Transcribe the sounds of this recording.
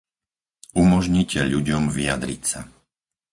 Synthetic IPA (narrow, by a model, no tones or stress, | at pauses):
umɔʒɲicɛʎuɟɔmʋijad̪ɾḭcsa